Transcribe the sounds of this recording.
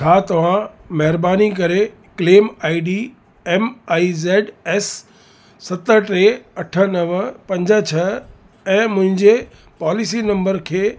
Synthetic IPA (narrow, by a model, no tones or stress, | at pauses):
t͡ʃʰaːt̪ɐʋ̤ãmɐɦɪɾbaːnik̬ɐɾe | kleːmaːiɖiː | ɛmaːizeːɖɛːsː | ɐt̪əʈɾeːɐʈʰə̆nɐʋpɐ̃ɲd͡ʑə̆t͡ɕʰɐ | ɛ̃ːmʊ̃ɦɪ̃ɲd͡ʑe | paːlɪsinɐ̃mbəɾkʰeː